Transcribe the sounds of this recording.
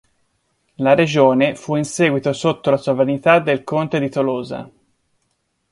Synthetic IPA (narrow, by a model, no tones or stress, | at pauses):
laɾed͡ʒoːnefuinsɛːɡwit̪osot̪ːolasovɾanit̪ad̪ːelkont̪ed̪it̪oloːza̰